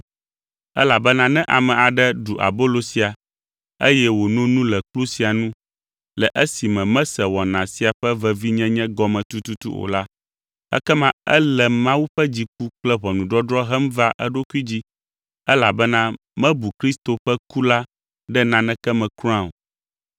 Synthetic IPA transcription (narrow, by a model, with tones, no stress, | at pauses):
ɛ̰˦la˨bɛ˦nã˦nɛ̃˦ʔa˨mɛ̃˨a˨ɖɛ˦ɖu˨ʔa̰˨bo˦lo˨si˨a˨ | ḛ˦jɛ˦wo˨nɔ̃˦nũ˦lɛ˨k͡plu˦si˨a˨nũ˦ | lɛ˨ʔɛ˦si˨mɛ̃˨mɛ̃˦sɛ˨wɔ˨nã˨si˦a˨ɸɛ˦vɛ˦vi˦ɲɛ̃˦ɲɛ̃˦ɡɔ˦mɛ̃˨t̪u˦t̪u˦t̪ṵ˦o̰˨la˦ | ɛ̰˦kɛ˦mã˦ɛ̰˦lɛ˨mã˦wu˦ɸɛ˦d͡ʑi˦k̚u˦k͡plɛ˦βɔ˨nũ˨ɖɔ˦dɾɔ˦ɦɛ˦m˦va˦ʔɛ˦ɖo˦ku˦i˦d͡ʑi˦ | ɛ˦la˨bɛ˦nã˦ | mɛ̃˦bu˨kɾi˦st̪o˨ɸɛ˦ku˦la˦ | ɖɛ˦nã˦nɛ̃˦kɛ˦mɛ̃˨kɾ̃ã˦˨o̰˨